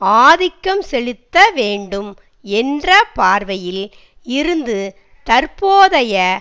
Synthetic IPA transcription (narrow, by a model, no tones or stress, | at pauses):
aːðɪkːɐmsɛɭɪt̪ːɐʋeːɳɖɯm | ɛndrɐpaːɾʋɐjɪl | ɪɾɯnd̪ɯ | t̪ɐɾpoːðɐjɐ